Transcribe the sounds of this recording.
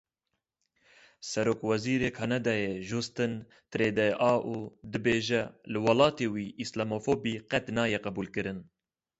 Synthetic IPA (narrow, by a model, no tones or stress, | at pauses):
sɛɾoːkwɛziːɾeːkʰanɑd̪ɑːjeʒust̪ɨn | t̪ɨɾeːd̪ɛʔɑːʔuːd̪ɨbeːʒɛlɨwɑlɑːt̪eːwiːʔislamofoːbiːqɛt̪nɑːjɛqɛbuːlkɨɾɨn